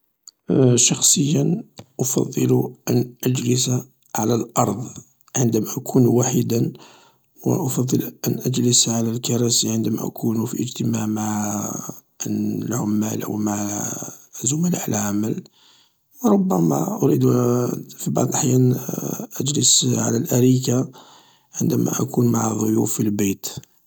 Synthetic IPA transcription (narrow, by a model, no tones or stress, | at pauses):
ʃɑxsˤəjːənʔɑfɑ̰d̪ˤːɨluʔænʔæd͡ʒləsa | ʕalælʔɑɾˤd̪ˤ | ʕənd̪æmæʔækʰunuwaħid̪æn | w̰ʔɑfɑd̪ˤːəlʔænʔæd͡ʒləsʕalælkɑɾˤɑsiʕənd̪æmæ̰ʔæ̰kʰunufḭʔəd͡ʒt̪əmaʕmaʕ | lʕʊmːælʔə̰wmaʕ | zʊməlʕlʕaməl | wɾˤʊbːæmæ̰ʔʊɾid̪ | fibɑ̰ʕd̪ˤlʔaħjænʔæd͡ʒləsʕa̰lælʔæɾika | ʕənd̪æmæ̰ʔæ̰kʰunmaʕaðˤʊjufilbæt̪